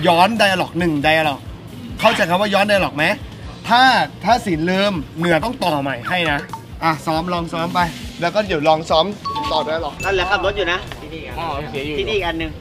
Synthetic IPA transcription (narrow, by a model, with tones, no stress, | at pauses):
jɔː˦˥nda˧jʔa˧lɔː˨˩k̚nɯ˨˩ŋda˧jʔa˧lɔː˨˩k̚ | kʰːa˥˩wt͡ɕa˨˧˩jkʰa˧˩mwaː˥˩jɔː˦˥nda˧jlɔː˨˩k̚ma˦˥j | t̪ʰaː˥˩t̪ʰaː˥˩si˩˦nlɤː˧mnɯ˨˩˦ɐt̪ɔ˥˩ŋt̪ɔː˨˩ma˨˩jha˥˩jna˦˥ʔa˧˩sɔː˦˥mlɔː˧ŋsɔː˦˥mpa˧jlɛː˦˥wkɔː˥˩di˨˦˩lɔː˧ŋsɔː˦˥mt̪ɔː˨˩da˧˦a˧lɔː˨˩k̚la˧˩lɯ˨˦kʰa˧˩mlo˦˥juː˨˩na˦˥t̪ʰi˧niː˧˩a˧si˩˦juː˨tʰiː˧niː˦˧˨ʔa˧nːɯ˨˩ŋ